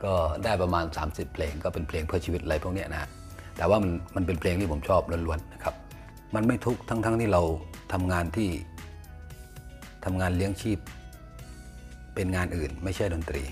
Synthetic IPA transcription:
kɔː˥˩daː˥˩jpɾa˧maː˧nsa̰ː˩˦msi˨˩pʰːleː˧ŋkɔː˥˩pe˧npʰleː˧ŋpʰɯ˥˩t͡ɕiː˧wi˦˥t̪̚ʔla˧jpʰu˥˩k̚ni˥ɐ˨na̰˦ | t̪ɛː˨˩waː˥˩ma˧nma˧npe˧npʰleː˧ŋt̪ʰiː˥˩o˩˦mt͡ɕʰɔː˥˩p̚lo˧nlu˧ənːa˦˥˩kʰa˦˥p̚ | ma˧nma˥˩jt̪ʰu˦˥k̚t̪ʰa˦˥ŋt̪ʰa˦˥˩ŋt̪ʰiː˥˩ɾa˧wt̪ʰa˧mŋaː˧nt̪ʰiː˥˩ | t̪ʰa˧mŋaː˧nli˦˥əŋt͡ɕʰiː˥˩p̚ | e˧nŋaː˧nʔɯː˨˩nma˥˩jt͡ɕʰa˥˩jdo˧nt̪ɾḭː˧

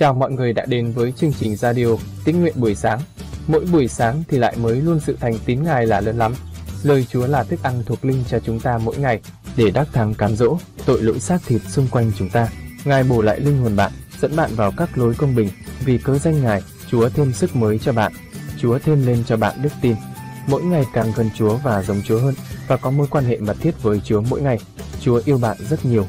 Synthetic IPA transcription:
t͡ɕaː˨˩wmɔ̰˧˨jŋɨ˨˩əjɗa̰ː˧˥ɗe˨˦nvəː˨˦jt͡ɕɨ˧əŋt͡ɕï˨˩ŋ̟zaː˧ɗi˧ʔo˧ | t̪i˦˥ŋ̚ŋwḭ˧˨ənɓu˧˩əjsaː˨˦ŋ | mo̰˧˥jɓu˧˩əjsaː˨˦ŋt̪ʰi˨˩la̰ː˧˨jməː˨˦jlu˧ənsɨ̰˧˨t̪ʰa˨˩jŋ̟t̪i˨˦nŋaː˨˩jlaː˨˩ləː˨˦nla˨˦mləː˨˩jt͡ɕu˨˦əlaː˨˩t̪ʰɨ˦˥k̚ʔa˧nt̪ʰu˨˩ək̚lï˧ŋ̟t͡ɕɔ˧t͡ɕʊ˨˦ŋ͡mt̪aː˧mo̰˧˥jŋa˨˩jɗe˧˩ɗaː˦˥k̚t̪ʰa˨˦ŋkaː˨˦mzo̰˧˥t̪o̰˧˨jlo̰˧˥jsaː˦˥k̚t̪ʰi˨˩ət̚sʊ˧ŋ͡mkwa˧jŋ̟t͡ɕʊ˨˦ŋ͡mt̪aː˧ŋaː˨˩jɓo˧˩la̰ː˧˨jlï˧ŋ̟ho˨˩ənɓa̰ː˧˨nzə̰˧˥nɓa̰ː˧˨nvaː˨˩wkaː˦˥k̚lo˨˦jkə˧wŋ͡mɓï˨˩ŋ̟vi˨˩kəː˨˧za˧jŋ̟ŋaː˨˩j | t͡ɕu˨˦ət̪ʰe˧msɨ˦˥k̚məː˨˦jt͡ɕɔ˧ɓa̰ː˧˨n | t͡ɕu˨˦ət̪ʰe˧mle˧nt͡ɕɔ˧ɓa̰ː˧˨nɗɨ˦˥k̚t̪i˧nmo̰˧˥jŋa˨˩jkaː˨˩ŋɣə˨˩nt͡ɕu˨˦əvaː˨˩zə˨˦wŋ͡mt͡ɕu˨˦əɦəː˧nvaː˨˩kɔ˨˦mo˧˦jkwaː˧nhḛ˧˨mə˨˩t̚t̪ʰi˦˥ət̚vəː˨˦jt͡ɕu˨˦əmo̰˧˥jŋa˨˩j | t͡ɕu˨˦əʔi˧əwɓa̰ː˧˨nzə˦˥t̚ɲi˨˩əw

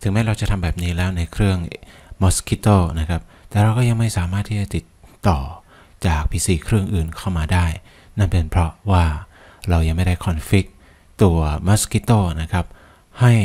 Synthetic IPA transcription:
t̪ʰɯ˩˦ŋmɛ˦˥jɾa˧wt͡ɕa˨˩t̪ʰa˧mbɛː˨˩p̚niː˦˥lɛː˦˥wna˧jkʰɾɯ˥˩əŋ | mo˦˥skʰi˦˥t̪oː˥˩na˦˥kʰa˦˥p̚t̪ɛː˨˩ɾa˧wkɔː˥˩ja˧ŋma˥˩jsaː˩˦maː˥˩t̪ʰːiː˥˩t͡ɕa˨t̪i˨˩t̪ːɔː˨˩ | t͡ɕaː˨˩k̚pʰiː˧siː˧˩kʰɾɯ˥˩ŋʔɯː˨˩nkʰa˥˩wmaː˧daː˥˩j | na˥˩npe˧npʰɾɔ˦˥waː˥˩ | ɾa˧wja˧ŋma˥˩jda˥˩jkʰɔ˧nfi˦˥k̚ | t̪u˧ɐmɔ˦˥ski˦˥t̪ːoː˥˩na˦˥kʰa˦˥p̚ | ha˥˩j

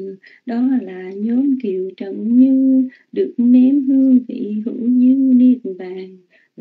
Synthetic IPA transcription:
ɗɔ˨˦laː˨˩ɲɔ˨˦mki˧˨əwt͡ɕə̰˧˨nɲɨ˧ | ɗɨ˨˩ək̚ne˧˦mɦɨ˧əŋvḭ˧˩˨hɨ̰˧˥wɲɨ˧ni˧˩t̚ɓaː˧˨n

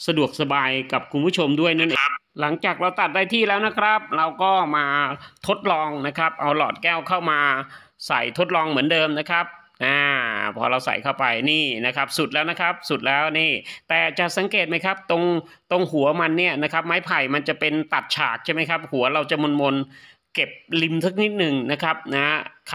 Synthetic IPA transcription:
sa˧du˨˩ək̚sa˧baː˧jka˨˩p̚kʰu˧npʰuː˥˩t͡ɕʰo˧mdu˥˩əjna˥˩nʔeː˧ŋla˩˦ŋt͡ɕaː˨˩k̚ɾa˧wt̪a˨˩t̪̚daː˥˩jt̪ʰiː˥˩lɛː˦˥wna˦˥kʰɾa˦˥p̚ɾa˧wkɔː˥˩maː˧t̪ʰo˦˥t̪̚lɔː˧ŋna˦˥kʰɾa˦˥p̚ʔa˧wlɔ̰ː˨˩t̪̚kɛː˥˩wkʰa˥˩wmaː˧ | sa˨˩˦jt̪ʰo˦˥t̪̚lɔː˧ŋmɯ˩˦əndɤː˧mna˦˥kʰɾa˦˥p̚ | naː˥˩pʰɔː˧ɾa˧wsa̰˨˩˦jkʰa˥˩wpa˧jniː˥˩na˦˥kʰa˦˥p̚su˨˩t̪̚lɛː˦˥wna˦˥kʰɾa˦˥p̚su˨˩t̪̚lɛː˦˥wniː˥˩t̪ɛː˨˩t͡ɕa˨˩sa˩˦ŋkeː˨˩t̪̚ma˦˥jkʰa˦˥p̚t̪o˧ŋ | t̪o˧ŋhu˨˩˦ɐma˧nːi˥˩ɐna˦˥kʰɾa˦˥p̚maː˦˥jpʰa˨˩jma˧nt͡ɕa˨˩pe˧nt̪a˨˩t̪̚t͡ɕʰaː˨˩k̚t͡ɕʰa˥˩jma˥jkʰa˦˥p̚hu˩˦ɐɾa˧wt͡ɕa˨˩mo˧nmo˧n | ke˨˩p̚li˧msa˦˥k̚ni˦˥t̪̚nɯ˨˩ŋna˦˥kʰɾa˦˥p̚na˦˥

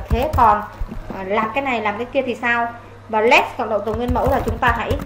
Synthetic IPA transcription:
t̪ʰe˨˦kɔ˨˩nː˨˩laː˨˩mkaː˨˦jna˨˩jlaː˨˩mkaː˨˦jki˧ət̪ʰi˨˩saː˧w | vaː˨˩lɛ˦˥k̚skɔ̰˧˨nɗə̰˧˨wŋ͡mt̪ə˨˩wŋwənmə̰˧˥wlaː˨˩t͡ɕʊ˨˦ŋ͡mt̪aː˧ɦa̰˧˥j

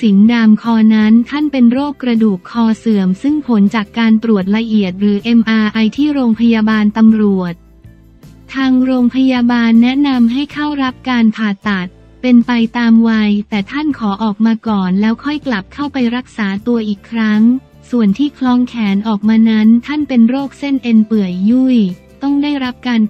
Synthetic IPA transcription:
si˩˦ndaː˧mkʰɔː˧na˦˥nt̪ʰa˥˩npe˧nɾoː˥˩kːɾa˧duː˨˩kʰːɔː˧sɤː˨˩əmsɯ˥˩ŋpʰo˩˦nt͡ɕaː˨˩kːaː˧nt̪ɾu˨˩ət̪̚ɾa˧ʔi˨˩ət̪̚ɾɯː˩˦ʔe˧mʔaː˧ʔa˧jt̪ʰiː˥˩ɾoː˧ŋpʰa˧jaː˧baː˧nt̪a˧mɾu˨˩ət̪̚ | t̪ʰaː˧ŋɾoː˧ŋpʰa˧jaː˧baː˧nːɛ˦˥ʔna˧mɦa˥˩jkʰa˥˩wɾa˦˥p̚kaː˧npʰaː˨˩t̪a˨˩t̪̚ | pe˧npa˧jt̪aː˧mwaː˧jt̪ɛː˨˩t̪ʰa˥˩nkʰɔː˩˦ʔɔː˨˩k̚maː˧kɔː˨˩nlɛː˦˥wkʰɔ˥˩jkla˨˩p̚kʰa˥˩wpa˧jɾa˦˥k̚saː˩˦t̪u˧ɐʔiː˨˩kʰːɾa˦˥ŋ | su˨˩ənt̪ʰiː˥˩kʰlɔː˦˥ŋkʰɛː˩˦nʔɔː˨˩k̚maː˧na˦˥nt̪ʰa˥˩npe˧nɾoː˥˩k̚se˥˩nʔe˧npɯ˨˩əjːu˥˩j | t̪ɔ˥˩ŋdaː˥˩jɾa˦˥p̚kaː˧n

